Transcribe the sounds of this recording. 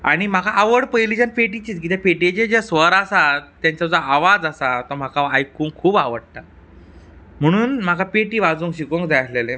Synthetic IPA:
a̰ɽ̃im̤akaʔaʋəɽpəjlid͡ʑənpeʈit͡ɕiːt̪kit̪epeʈed͡ʑed͡ʑasʋəɾasat̪jaɲt͡ɕad͡zaaʋad͡zasat̪ɔm̤akaajkːuːŋkkʰːuːbaʋəɽt̪a | m̤əɽ̃uːnm̤akapeʈiːʋad͡zuːŋkɕikoŋkd͡zajt̪lelẽ

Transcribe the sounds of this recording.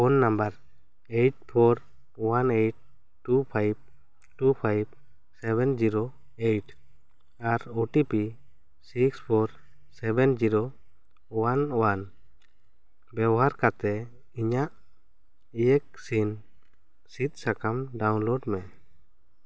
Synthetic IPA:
ɔnːambaɾ | ejʈ̚pʰɔɾ | wanejʈ̚ | ʈupʰajb̚ | ʈupʰajb̚ | sɛbɛnd͡ʒiɾo | eʈ | aɾoʈipi | sikspʰɔɾ | sɛbɛnd͡ʒiɾo | ɔwanɔwan | bɛbɔɦaɾkat̪ɛ | iɲaʔ | ijɛk̚sin | sit̪̚ˀsakamɖawnloɖmɛ

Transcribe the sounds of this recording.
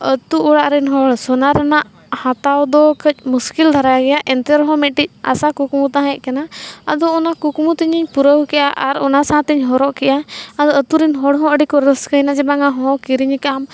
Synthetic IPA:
ət̪uʔɔɽaʔɾɛnɦɔɽsɔnaɾanaʔ | hãt̪awd̪ɔkəc̚ˀmuskild̪ʱaɾajaɡɛjaʔɛnt̪ɛɾɔɦɔ̃mɛʈic̚ˀa̰sakukmut̪aɦãɛʔkanaə̰d̪ɔːnakukmut̪iɲiɲpuɾəɦukɛjʔaʔaɾɔnasaãt̪iɲɦɔɾɔʔkɛʔaad̪ɔət̪uɾɛnɦɔɽɦɔ̃əɖikɔɾəskəjnad͡ʒɛbaŋaɦɔ̃kiɾiɲkam

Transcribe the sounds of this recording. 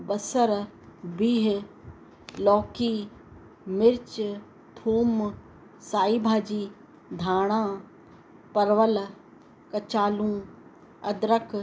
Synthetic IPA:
bɐsəɾ | biːɦ | lɔːkiː | mɪɾt͡ʃ | t̪ʰuːm | saːiːbʱaːd͡ʑiː | d̪ʱaːɽ̃ãː | pɐɾʋəl | kɐt͡ʃaːlũː | ɐd̪ɾək

